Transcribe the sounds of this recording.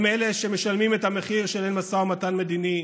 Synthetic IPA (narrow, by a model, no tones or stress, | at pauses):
mele̞ʃeme̞ʃalmimet̪hameχiʁʃelenmasaomatanme̞d̪ini